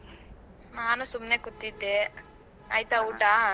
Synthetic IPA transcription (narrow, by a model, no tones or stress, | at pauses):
naːnɐsumːneːkut̪ːit̪ːe | ajt̪auːʈaː